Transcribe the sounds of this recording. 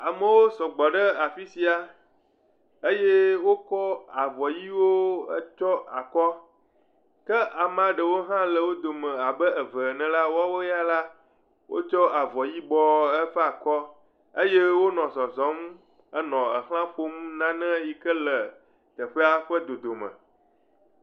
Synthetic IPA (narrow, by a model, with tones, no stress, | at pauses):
a˨mə˨wo˦sɔ˨ɡ͡bɔ˨ɖə˦a˨fi˦si˨a˨ | ə˦je˦wo˦kɔ˦a˨vɔ˨ji˦wo˦ə̰˦t͡ʃɔ˦a˨kɔ˦ | kə˦ʔa˨m˦a˨ɖə˨wo˦ɦã˦lə˨wo˦d̪o˨mə̃˨a˨bə˦ə˨və˨nɛ̃˨la˦wo˦a˦wo˦ja˦la˦ | wʔo̰˦t͡ʃɔ˦ʔa˨vɔ˨ji˦bɔ˦ə˦ɸɛ˦a˨kɔ˦ | ə˦je˦wo˦nɔ̃˨zɔ˨zɔ̃˨˦m | ə˦nɔ̃˨ə̰˨xl̃ã˦ɸo˦m˦nã˦nɛ̃˦ji˦kə˦lə˨ | t̪ə˨ɸɛ˦a˦ɸə˦d̪o˨d̪o˨mə̰̃˨